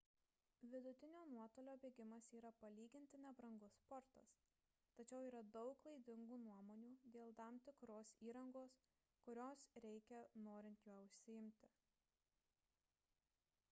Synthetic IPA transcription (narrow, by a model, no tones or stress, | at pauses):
ʋʲɪd̪ʊt̪ʲɪnʲoːnuɔt̪oːlʲoːbʲeːɡʲɪmɐsiːɾɐpɐlʲiːɡʲɪnʲt̪ʲɪnʲɛbɾɐŋɡʊspɔɾt̪ɐ̰s | t̪ɐt͡ʃʲɛʊiːɾɐd̪ɒʊklˠɐɪd̪ʲɪŋɡuːnuɔmoːnʲuːd̪ʲeːlˠt̪ɑmt̪ʲɪkɾoːsiːɾɐŋɡoːs | kʊɾʲoːsɾʲɛɪkʲɛnoːɾʲɪnʲt̪joːʊʃʲsʲɪɪmʲt̪ʲɪ